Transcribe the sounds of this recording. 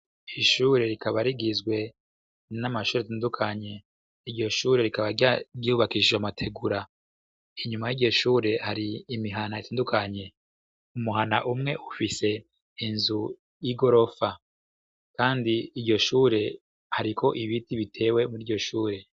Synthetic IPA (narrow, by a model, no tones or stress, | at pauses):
iʃuːɾe̞ɾikaβaɾiɡizɡwe̞ | namaʃuːɾetaːndukʰaɲe̞ | iɾɟo̞ʃuːɾe̞ɾikaβaɟaɾjuːβakid͡ʒeamatʰe̞ɡuɾa | iɲumajio̞ʃuːɾe̞haɾiːmiɦanaitaːndukʰaɲe̞ | umuɦanaʔumŋe̞ʔufise̞ | inzu | iɡo̞ɾo̞fa | kaːndiiɾɟo̞ʃuːɾe̞ | haɾikʰo̞ʔiβitiβitʰe̞ːwe̞muɾiɾɟo̞ʃuːɾe̞